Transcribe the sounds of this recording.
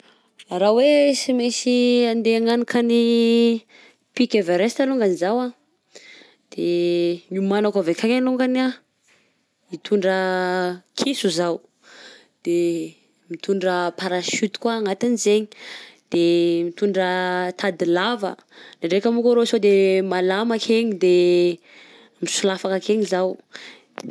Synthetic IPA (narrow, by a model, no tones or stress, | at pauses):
aɾawesimisiand̪eaŋanikani | pikʲevaɾest̪aluŋɡanizawa | d̪̥eɲumanakavekaŋaluŋɡana | it̪ʰuɳɖ͡ʐə | kʰisuzaw | d̪̥e | mit̪uɳɖ͡ʐəpaɾaʃyt̪i̥kwaːŋat̪inizeɲi̥d̪̥emit̪uɳɖ͡ʐət̪ʰad̪ilavə̰ | naɳɖ͡ʐekamukaɾosod̪emalamakʰeɲid̪e | misulafakakeɲizaw